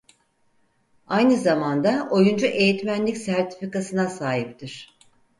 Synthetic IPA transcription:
ajnɯzamand̪aʔo̞jund͡ʒuʔe̞jit̪mænlʲicsæɾt̪ʰi̥fikasɯnasaːɦip̚t̪ʰiɾ̝̥

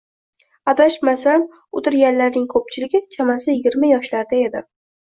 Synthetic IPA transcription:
abaʃmasam | ʊt̪ɪɾɡʲanlaɾnɪŋkʰɵp̚t͡ʃʰɪlɪɡʲɪt͡ʃʰamasɪjɪɡʲɪɾmajɒʃlaɾd̪ae̞d̪ɪ

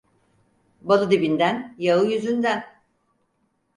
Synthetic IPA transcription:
balˠɯd̪ibind̪ænjaɯjyzynd̪æn

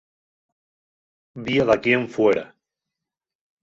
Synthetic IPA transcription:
biaðakieɱfweɾa̰

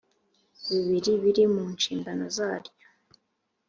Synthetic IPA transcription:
βiβiɾiβiɾimuːnt͡ʃiːmbanozaːɾjo

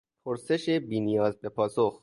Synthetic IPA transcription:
pʰoɾse̞ʃebiːnijɒːzbe̞pʰɒːsox

